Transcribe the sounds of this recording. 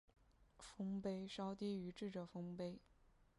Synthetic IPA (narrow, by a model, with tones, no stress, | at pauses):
fɤ˥ŋpe˥ɪʂɑ˥ʊt̪i˥y˧˥ʈ͡ʂɻ̩˥˩ʈ͡ʂə˨˩fɤ˥ŋpe˥ɪ